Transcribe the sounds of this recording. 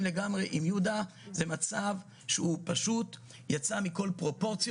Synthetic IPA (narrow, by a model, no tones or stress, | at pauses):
mleɡamʁeʔimjud̪a | ze̞mat͡sav | ʃeupaʃut̪ | jat͡samiko̞lpʁo̞po̞ʁt͡sj